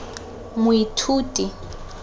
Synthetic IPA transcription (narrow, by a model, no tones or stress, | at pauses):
mʊitʰuːtʼi